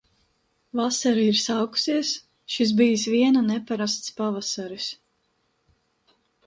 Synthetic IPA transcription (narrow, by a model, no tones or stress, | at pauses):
vasaɾiiɾsawku̥siɛs | ʃis̬bijisviɛnanɛpaɾast̪spavasaɾis